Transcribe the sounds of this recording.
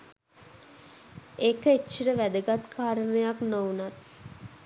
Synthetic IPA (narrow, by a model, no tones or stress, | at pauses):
ekəet͡ʃːiɾəʋæd̪əɡat̪kʰaːɾənejaknownat̪